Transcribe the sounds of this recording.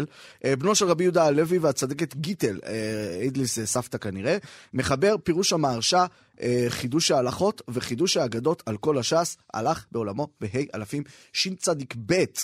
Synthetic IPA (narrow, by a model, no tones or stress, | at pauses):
lʔebno̞ʃelʁabijud̪aːle̞viveat͡sad̪eket̪ɡit̪eled̪lissaft̪akaniʁeme̞χabe̞ʁpiʁuʃhamaːʁʃa | ʔeχid̪uʃaːlaχo̞t̪ve̞χid̪uʃaːɡado̞tʰalko̞laʃasa̰laχbeo̞lamo̞beɦejʔa̰lafimʃint͡sad̪ikbe̞t